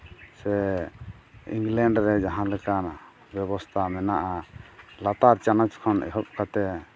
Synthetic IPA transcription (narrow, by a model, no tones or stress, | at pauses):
sɛ | ḭŋɡlɛɳɖɾɛd͡ʒaɦãlɛkan | bɛbɔst̪ʰamɛnaʔalat̪aɾt͡ʃanɔt͡ʃkʰɔnʔɛ̰ɦɔp̚kat̪ɛ